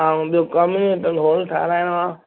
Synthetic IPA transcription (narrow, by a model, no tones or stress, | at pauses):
aːũɓijokaːmuneʈəlɦoːlʈʰa̰ːɾaːɪnʋãː